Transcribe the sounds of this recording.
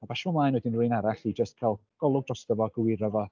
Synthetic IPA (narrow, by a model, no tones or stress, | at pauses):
abaʃvɔmlˠajnwɛdɪnrʊɨnaɾaɬid͡ʒəstkʰalˠɡ̥ɔlˠʊɡ̚drɔstəvɔɡəwɪɾɔvɔ